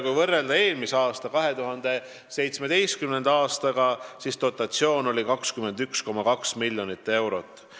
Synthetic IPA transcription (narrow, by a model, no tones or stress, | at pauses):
kujvɤrːe̞ld̪ɑe̞ːlmiseɑːst̪ɑkɑɦe̞t̪uɦɑnd̪̥e̞ | se̞jt̪sme̞d̪e̞jst̪̚kymne̞nd̪̥ɑːst̪ɑɡ̥ɑsist̪o̞t̪ːˑɑt̪sio̞ːno̞lʲikɑkskyme̞nd̪̥yksko̞mɑkɑksmilʲːjo̞nit̪ːˑe̞wɾo̞t̪ːˑ